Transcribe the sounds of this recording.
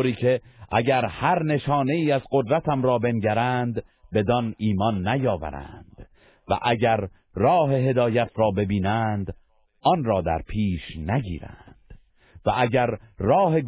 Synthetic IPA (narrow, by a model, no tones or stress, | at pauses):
ɾiːcʰe̞ʔæɟæɾhæɾne̞ʃɒːne̞iːæzɢo̞d̪ɾæt̪ʰæmɾɒːbe̞nɟæɾænd̪ | be̞d̪ɒniːmɒnːæjɒːvæ̰ɾæ̰nd̪̥ | væ̰ʔæɟæɾ | rɒːɦe̞ɦe̞d̪ɒːjæt̪ʰɾɒːbe̞biːnænd̪ | ʔɒnrɒːd̪æ̰ɾpʰiːʃnæɟḭːɾæ̰nd̪̥ | væʔæɟæɾrɒːhe̞ɡ